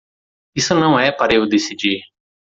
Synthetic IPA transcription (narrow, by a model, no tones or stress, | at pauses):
ɪsunɐ̃ũɛːpɐɾeːud̪isid͡ʒiː